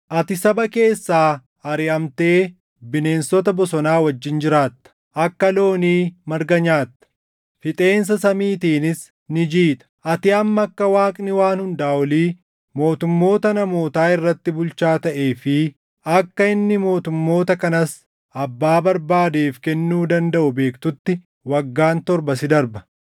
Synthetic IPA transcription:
ʔɐt̪ɪsɐbɐke̞ːsːaː | ɐɾɪʔɐmt̪e̞ː | bɪne̞ːnsɔt̪ɐbɔsɔnaːwɐd͡ʒːɪnd͡ʒɪɾaːt̪ːɐ̥ | ʔɐkːɐlo̞ːniːmɐɾɡɐɲaːt̪ːɐ̥ | fɪt̪ʼe̞ːns̬ɐsɐmiːt̪iːnɪs | nɪd͡ʒiːt̪ʼɐ̥ʔɐt̪ɪɐmːɐɐkːɐwaːkʼnɪwaːnhʊnd̪aːwɐliː | mo̞ːt̪ʊmːo̞ːt̪ɐnɐmo̞ːt̪aːɪrːɐt̪ːɪbʊlt͡ʃaːt̪ɐʔe̞ːfɪ | ɐkːɐɪnːɪmo̞ːt̪ʊmːo̞ːt̪ɐkɐnɐs | ɐbːaːbɐɾbaːd̪eːfkɛnːuːd̪ɐnd̪ɐʔʊbe̞ːkt̪ʊt̪ːɪ | wɐɡːaːnt̪ɔɾbɐs̬ɪd̪ɐɾbɐ̥

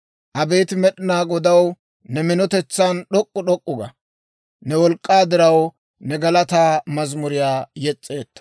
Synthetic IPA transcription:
ʔɐbe̞ːt̪ɪmɛɗɪnaːɡɔd̪ɐw | nɛmɪnɔt̪ɛt͡sːanɗɔkʼːʊɗɔkʼːʊɡɐ̰ | nɛwɔlkʼːaːd̪ɪɾɐw | nɛɡɐlɐt̪aːmɐzmʊɾɪjaːjɛt͡sʼːe̞ːt̪ːɐ̥

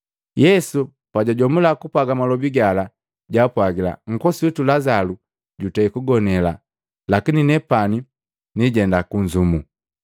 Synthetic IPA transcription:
jɛsu | paɟaɟɔmulakupwaɡamalɔbiɡala | ɟapwaɡila̰ŋ̩kɔsiitulazalu | ɟutɛikuɡɔnɛla | lakininɛpani | niɟɛndakuɲd͡ʒumu

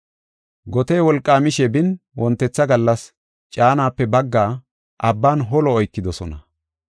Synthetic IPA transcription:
ɡɔt̪eːwɔlkʼːaːmɪʃɛbɪnwɔnt̪ːɛt͡sːɐɡɐlːɐs | t͡ʃʼaːnaːpːɛbɐɡːaː | ʔɐbːaːnɦɔlɔːjkːɪd̪ɔsɔnɐ

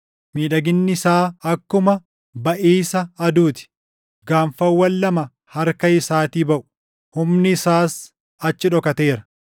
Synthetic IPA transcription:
miːᶑɐɡɪnːɪsaːɐkːʊmɐ | bɐʔiːsɐːd̪uːt̪ɪ̥ | ɡaːɱfɐwːɐlːɐmɐ | hɐɾkɐɪsaːt̪iːbɐʔʊ̥ | hʊmnɪsaːs | ɐt͡ʃːɪᶑɔkɐt̪e̞ːɾɐ̥

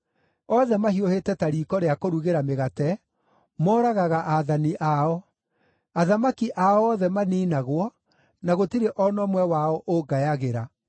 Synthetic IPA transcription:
ɔðɛmahiohetɛtaɾiːkɔɾeakoɾuɣeɾameɣatɛ | mɔːɾaɣaɣaʔaðaniʔaɔ | aðamakiʔaɔɔðɛmaniːnaɣwɔ | naɣotiɾeʔɔnɔmwɛwaɔʔoɡajaɣeɾa

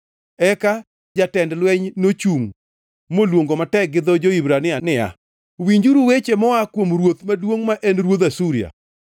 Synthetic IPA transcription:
ɛka | d͡ʒatɛndlwɛɲnot͡ʃuŋ | molwoŋɡomatɛɡɪd̪ɔd͡ʒoibɾanɪanɪa̰ | wiɲd͡ʒuɾuwet͡ʃemɔakwomɾwot̪madwoŋmaʔɛnɾwot̪asuɾɪa̰

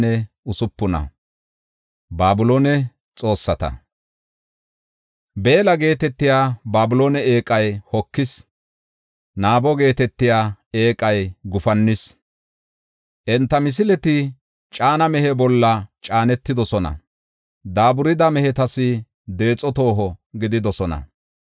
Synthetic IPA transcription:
nɛ | ʊsʊpːʊnɐ̰ | baːbʊloːnɛ | t͡sʼo̞ːsːɐt̪ɐ̰ | be̞ːlɐɡe̞ːt̪ɛt̪ːɪjaːbaːbʊloːnɛe̞ːkʼɐjhɔkːɪs | naːbɔɡe̞ːt̪ɛt̪ːɪjaːe̞ːkʼɐjɡʊfɐnːɪs | ʔɛnt̪ːɐmɪs̬ɪlɛt̪ɪ | t͡ʃʼaːnɐmɛhɛbɔlːɐt͡ʃʼaːnɛt̪ːɪd̪ɔsɔnɐ̰ | d̪aːbʊɾɪd̪ɐmɛhɛt̪ɐsɪ | d̪e̞ːt͡sʼːɔt̪o̞ːɦɔɡɪd̪ɪd̪ɔsɔnɐ̰

